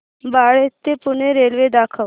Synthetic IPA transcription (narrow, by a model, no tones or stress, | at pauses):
baɭet̪ːepuneɾelʋed̪akʰəʋ